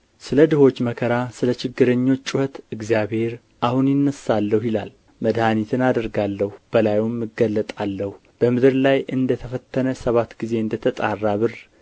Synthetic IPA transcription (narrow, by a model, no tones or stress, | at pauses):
sɨləd̪ɨho̞t͡ʃːməkʰəɾasɨlət͡ʃɪɡːɨɾəɲːo̞t͡ʃːt͡ʃʼːuhət̪ɨɡzjaβhe̞ɾ | ʔahunjɪnːəsalːəhwjɪla̰l | məd̪hanit̪ʰɨnad̪əɾɡalːəhub̥əlajumːɨɡːəlːət̪ʼalːəhu | b̥əmɨd̪ɨɾlajʔɨnd̪ət̪ʰəfət̪ʰːənəsəβat̪ːɡize̞ɨnd̪ət̪ʰət̪ʼarːaβɨɾ